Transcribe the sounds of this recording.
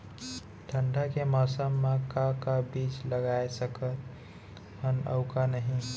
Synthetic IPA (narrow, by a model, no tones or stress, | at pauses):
ʈʰəɳɖakemasəmːakakabit͡ʃləɡaesəkət̪ | hənə̰ʊkanəɦĩ